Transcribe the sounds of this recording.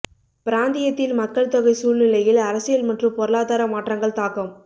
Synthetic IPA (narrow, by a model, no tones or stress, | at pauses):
pɪɾaːnd̪ɪjɐt̪ːɪlmɐkːɐɭt̪ɔɣɐɪsuːlnɪlɐjɪlɐɾɐsɪjɐlmɐʈrɯmpɔɾɐlaːðaːɾɐmaːʈrɐŋɡɐɭt̪aːkɯm